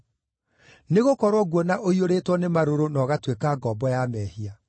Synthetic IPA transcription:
neɣokɔɾwɔɣwɔnaʔoioɾeːtwɔnemaɾoɾonɔɣatwekaːɡɔːbɔjamɛhia

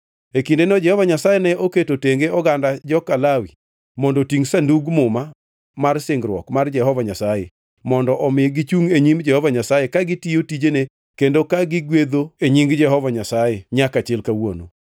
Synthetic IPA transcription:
ekindenɔd͡ʒɛhɔvaɲasajenɛʔoketoteŋɡeɔɡandad͡ʒɔkalawi | mɔndɔtiŋsanduɡmʊma | marsɪŋɡɾwɔ̰kmard͡ʒɛɦɔvaɲasaje | mɔndɔʔɔmɪɡɪt͡ʃuŋeɲimd͡ʒɛhɔvaɲasajekaɡɪtijotid͡ʒene | kendokaɡɪɡwed̪oeɲiŋɡd͡ʒɛɦɔvaɲasajeɲakat͡ʃɪlkawo̰no̰

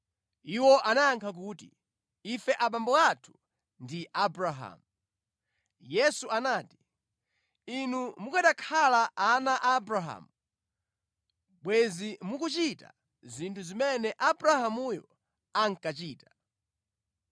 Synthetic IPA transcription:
iwɔʔanaːŋkʰak̬uːtḭ | ifɛʔaɓambɔatʰu̥ | ndiʔabɾaɦa̰mu | jɛsuanaːti̥ | inumukaɗakʰalaʔanaʔabɾaɦa̰mu | ɓwɛzimukut͡ʃita̰ | zintʰuzimɛnɛʔabɾahamujɔ̰ | aŋ̩kat͡ʃiːtḁ

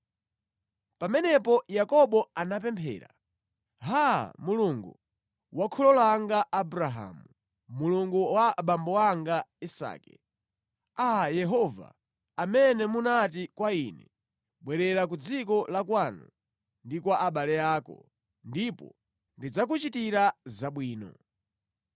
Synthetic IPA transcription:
pamɛnɛpɔjakɔɓɔanap̬ɛmpʰɛ̰ːɾa̰ | ɦa̰muluŋɡu | wakʰɔlɔlaŋɡaʔːbuɾaɦa̰ːmu | muluŋɡuwaɓambɔwaŋɡaisa̰ːkɛ | ajɛɦɔva̰ | amɛnɛmunat̬ikwaiːnɛ̰ | ɓwɛɾɛɾak̬ud͡zikɔlakwanu | ndikwaʔaɓalɛaːkɔ̰ | ndipɔ̰ | ndid͡zak̬ut͡ʃitiɾazaɓwiːnɔ̰

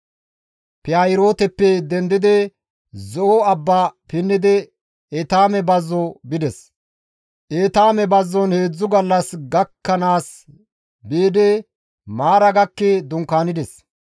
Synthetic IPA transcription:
pɛajɪɾo̞ːt̪ɛpːɛd̪ɛnd̪ɪd̪ɛ | zɔʔɔɐbːaːpɪnːɪd̪ɛ | ɛt̪aːmɛbɐzːɔbɪd̪ɛs | ʔeːt̪aːmɛbɐzːɔnhe̞ːd͡zːʊɡɐlːɐsɡɐkːɐnaːs | beːd̪ɛ | maːɾɐɡɐkːɛd̪ʊŋkaːnɪd̪ɛs

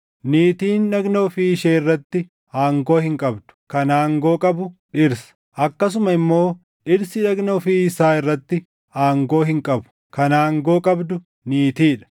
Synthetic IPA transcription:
niːt̪iːnːɐɡnoːfiːɪʃeːɪrːɐt̪ːɪ | aːŋɡo̞ːhɪŋkʼɐbd̪̥ʊ̥kɐnaːŋɡo̞ːkʼɐbʊᶑɪɾsɐ̥ | ʔɐkːɐs̬ʊmɐɪmːo̞ː | ᶑɪɾsɪᶑɐɡnoːfiːɪsaːɪrːɐt̪ːɪ | aːŋɡo̞ːɦɪŋkʼɐbʊ̥ | kɐnaːŋɡo̞ːkʼɐbd̪ʊ | niːt̪iːᶑɐ̥

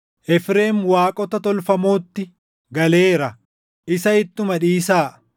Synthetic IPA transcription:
ʔɛfɾe̞ːmwaːkʼɔt̪ɐt̪ɔlfɐmo̞ːt̪ːɪ | ɡɐleːɾɐ | ʔɪsɐɪt̪ːʊmɐᶑiːsaː

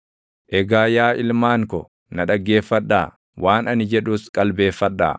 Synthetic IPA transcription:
ʔɛɡaːjaːʔɪlmaːŋkɔ | nɐᶑɐɡːe̞ːfːɐᶑːaː | wʔaːnɐnɪd͡ʒɛᶑuːskʼɐlbe̞ːfːɐᶑːa̰ː

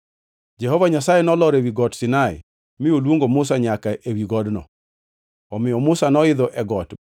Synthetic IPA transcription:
d͡ʒɛɦɔvaɲasajenɔlɔɾewiɡɔtsɪnaɪ̰ | mɪjolwoŋɡomʊs̬aɲakaʔewiɡɔdnɔ̰ | ɔmɪjɔmʊsanɔɪd̪ɔʔɛɡɔt

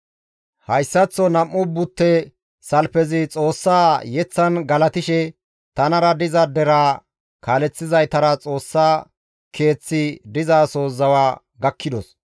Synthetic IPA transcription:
hɐjsːɐt͡sːɔnɐmːʊbʊt̪ːɛ | sɐlfɛzɪt͡sʼo̞ːsːaːjɛt͡sːɐnɡɐlɐt̪ɪʃɛ | t̪ɐnɐɾɐd̪ɪzɐd̪ɛɾaː | kʰaːlɛt͡sːɪzɐjt̪ɐɾɐt͡sʼo̞ːsːaː | kʰe̞ːt͡sːɪd̪ɪzaːso̞ːzɐwaː | ɡɐkʰːɪd̪ɔs

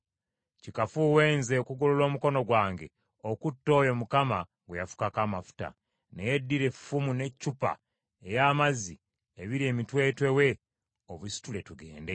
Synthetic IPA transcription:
cikafuwe̞ːnzeokuɡololo̞ːmuko̞no̞ɡwaːŋɡe̞ | okutːo̞ːjo̞mukamaŋɡwejafu̥kakaːmafu̥ta̰ | ne̞jedːiɾe̞fumune̞cːupa̰ | ejaːmazi | eβiɾie̞ːmitwe̞ːtwe̞we̞ | oβusi̥tule̞tuɡe̞̰ːnde

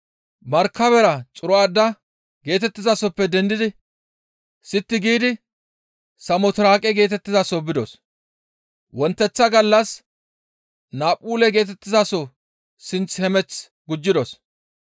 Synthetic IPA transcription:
mɐɾkːɐβɛɾɐt͡sʼʊɾɔaːd̪ːɐ | ɡe̞ːt̪ɛt̪ːɪzasɔpːɛd̪ɛnd̪ɪd̪ɪ | sɪt̪ːɪɡiːd̪ɪ | sɐmɔt̪ɪɾaːkʼɛɡe̞ːt̪ɛt̪ːɪzasɔbɪd̪ɔs | wɔnt̪ːɛt͡sːɐɡɐlːɐs | naːpʼːuːlɛɡe̞ːt̪̬ɛt̪ːɪzasɔ | sɪnt͡shɛmɛt͡s | ɡʊd͡ʒːɪd̪ɔs

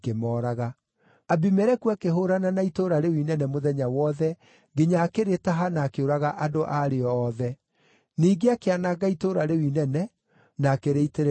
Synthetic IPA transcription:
kemɔɾaɣa | abimɛɾɛkuakeɦoɾananaitoːɾaɾewinɛnɛmoðɛɲawɔðɛ | ɡeɲaːkeɾetaɦanaːkeoɾaɣaʔadoʔaɾeɔːðɛ | niːɡeakeanaɡaitoɾaɾewinɛnɛ | naːkeɾeiteɾ

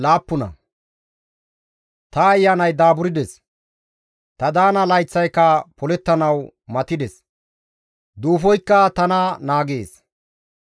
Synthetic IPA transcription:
laːpːʊnɐ̰ | t̪ɐːjːanɐjd̪aːbʊɾɪd̪ɛs | t̪ɐd̪aːnɐlɐjt͡sːɐjkːɐpɔlɛt̪ːɐnɐw | mɐt̪ɪd̪ɛs | d̪uːfɔjkːɐt̪ɐnɐnaːɡeːs

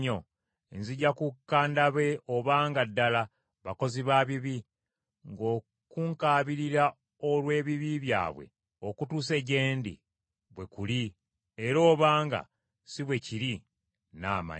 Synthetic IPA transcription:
o | enziɟːakukːaːndaβe̞o̞βaːŋɡadːala | βako̞ziβaːβiβi | ŋɡo̞ː | kuŋkaːβiɾiɾa | o̞lwe̞ːβiβiβja̰ːβwe̞̰ | okutuːse̞ɟe̞ːndḭ | βwe̞kuli | eɾo̞ːβaːŋɡa̰ | siβwe̞ciɾi | na̰ma̰

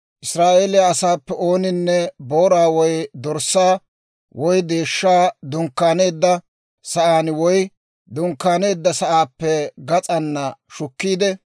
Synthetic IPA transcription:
ʔɪsɾaːʔeːlɪjaɐsaːpːɛʔoːnɪnːɛbo̞ːɾaːwɔjd̪ɔɾsːaː | wʔɔjd̪e̞ːʃːaːd̪ʊŋkːaːne̞ːd̪ːɐ | sɐʔaːnwɔj | d̪ʊŋkːaːne̞ːd̪ːɐsɐʔaːpːɛɡɐt͡sʼɐnːɐʃʊkːiːd̪ɛ

